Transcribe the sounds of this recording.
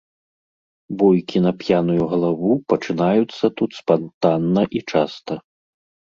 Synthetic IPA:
bɔjkʲinɐpjanujuɣɐlˠavupɐt͡ʂɨnajut̪sːɐt̪ut̪spant̪anːɐʔit͡ʂast̪ɐ

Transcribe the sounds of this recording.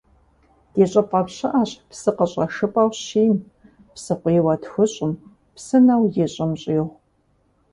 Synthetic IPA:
d̥eːɕʼɐpʼɐpɕɪʔaɕpsɨqəɕʼɐʂɨpʼɐwɕiːm | psɨqʷʼiːwɐtʰxʷʊɕʼɪm | psɨnɐwjeɕʼɪmɕʼiːʁʷ

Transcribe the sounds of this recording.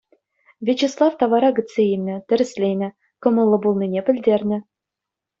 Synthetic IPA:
vʲet͡ɕeslˠɑft̪ɑvɑɾɑɡɘ̆t͡sːeilʲnʲɘ̆t̪ʲɘ̆ɾɘ̆sʲlʲejnʲɘ̆ | kɤ̆mɤ̆lˠːɤ̆bulˠninʲepʲɘ̆lʲdʲernʲɘ̆

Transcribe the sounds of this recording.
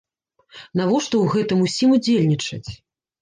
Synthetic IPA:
navɔʂt̪ɔwɣɛt̪ɨmusʲimud͡zʲelʲnʲit͡ʂɐ̰t͡sʲ

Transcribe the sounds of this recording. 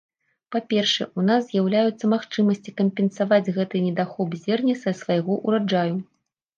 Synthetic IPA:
papʲɛrʂɛ̰ʔunazzʲjawlʲajut̪sːɐmaxt͡ʂɨmɐsʲt͡sʲikɐmʲpʲɛnsavad͡zʲɣɛt̪ɨnʲɛd̪axɔbzʲɛrnʲɛsɐsvajɣɔʔuɾad͡ʐaju

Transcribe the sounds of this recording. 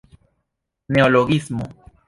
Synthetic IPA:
neoloɣismo̰

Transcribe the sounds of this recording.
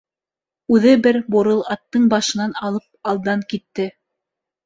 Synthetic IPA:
ʉðɘbɘɾboɾɤlˠɑt̪ːɤɴbɑʃɤ̆nɑnɑlˠɤp̚ɑlˠd̪ɑŋkit̪ːɘ

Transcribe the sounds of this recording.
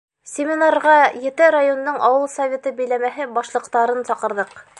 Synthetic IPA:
sʲɪmʲɪnarʁɑjɘ̆t̪ɘɾajond̪oɴʔɑwɤlˠsɐvʲet̪ɤbɘ̆jlæmæɦɘbɑʃlˠɤ̆qt̪ɑɾɤnsɑqɤ̆ɾðɤq

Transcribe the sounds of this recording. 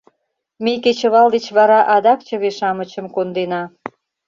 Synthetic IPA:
mejket͡ɕə̆βɑld̪et͡ɕβɑɾɑʔɑd̪ɑk̚t͡ɕə̆βeʃɑmə̆t͡ɕə̆mkond̪enɑ

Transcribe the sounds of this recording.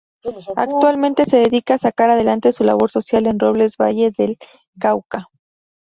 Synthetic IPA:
a̰kt̪walmẽnt̪e̞se̞ðe̞ðikaːsakaɾaðe̞lant̪e̞sula̰β̞o̞ɾso̞sjale̞nro̞β̞le̞zβa̰ʝe̞ðel | kawka

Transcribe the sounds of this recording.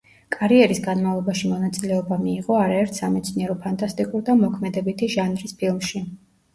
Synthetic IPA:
kʼaɾiɛɾisɡanmavlˠɔbaʃimɔnat̪sʼilɛɔbamiːʁɔaɾaɛɾt̪ʰsamɛt̪sʰniɛɾɔpʰant̪ʼast̪ʼikʼuɾd̪amɔkʰmɛd̪ɛbit̪ʰiʒanɾispʰilˠmʃi

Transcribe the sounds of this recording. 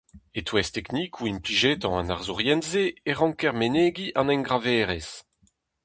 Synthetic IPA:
et̪wɛst̪ɛknikʰuimpliʒet̪ɑ̃ãnaʁzuʁjɛnzeːʁɑ̃ŋkɛʁmeneːɡiʔɑ̃nɛ̃ŋɡʁavɛːʁɛs

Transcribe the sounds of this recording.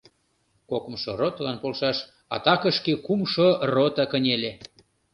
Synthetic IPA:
kokə̆mʃorot̪lɑnpolʃɑʃ | ɑ̰t̪ɑkəʃkekumʃorot̪ɑkənʲele

